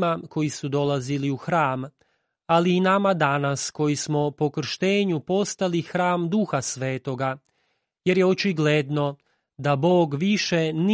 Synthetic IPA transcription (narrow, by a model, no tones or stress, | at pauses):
mako̞jisud̪o̞laziliuxɾaːm | aliːnamad̪anasko̞jismo̞po̞kr̩ʃt̪e̞ːɲupo̞st̪alixɾaːmd̪uxasʋeːt̪o̞ɡa | je̞ɾjeot͡ʃiɡled̪no̞ | d̪abo̞ːɡʋiʃe̞n